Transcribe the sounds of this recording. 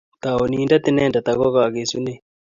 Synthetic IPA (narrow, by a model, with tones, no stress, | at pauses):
t̪a˨o˨niː˦nda˦t̪ɪ˦nɛː˦nda˨t̪aɣɔ˦ɣa˨ɣe˨su˦ne˦